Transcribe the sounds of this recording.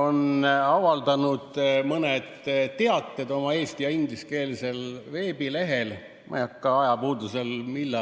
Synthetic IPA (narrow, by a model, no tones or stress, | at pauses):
o̞nɑvɑld̪̥ɑnud̪̥mɤned̪̥t̪ːe̞ɑt̪ˑːe̞d̪o̞mɑe̞ːst̪ijɑind̪liske̞ːlise̞lve̞ːbile̞ɦe̞l | mʔɑ̰jɑkːˑɑɑjɑpuːd̪use̞lmilːɑ